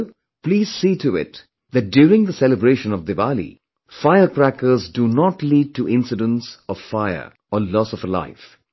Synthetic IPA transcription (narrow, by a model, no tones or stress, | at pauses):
pliːz̥siːtuɪ̰t | ðæt̚djuːɾɪ̃ŋd̪əsɛləbɾeːʃə̃nɔvd̪ɨvalḭ | faɪəkɾækəzdunɔtliːɖ̚ʈuʔɪ̃nsɪdə̃nsɔv̥faɪə̰˞ | əlɔːsɔfəla̰ɪf